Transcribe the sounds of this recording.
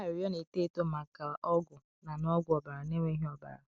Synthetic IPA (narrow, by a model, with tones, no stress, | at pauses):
ɪ˨ɾjɔ˦ne˨te˦˨to˦ma˨ka˨a˨ʔɔ˦ɡʊ˨ | na˨nɔ˦ɡʷʊ˨ɔ˨ba˨ɾa˨ne˦me˦ɦi˦ɔ˨ba̰˨ɾa̰˨